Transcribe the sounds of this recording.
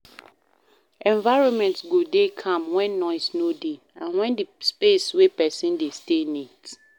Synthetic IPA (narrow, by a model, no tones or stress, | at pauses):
ɛ̃ɱvaɪɹɔ̃nmɛ̃ntsɡodekʰãmwɛ̃nːɔɪsnode | ãnwɛ̃ndispeswepɛsĩndestenit